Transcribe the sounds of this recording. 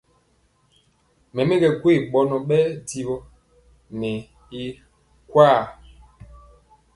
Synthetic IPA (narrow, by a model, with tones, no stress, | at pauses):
mɛ˨mɛ˦ɡɛ˨ɡwe˦˨ɓɔ˨nɔ˨ɓɛ˦di˨ɓɔ˦ | nɛ˨ | i˦ | kwaː˦˨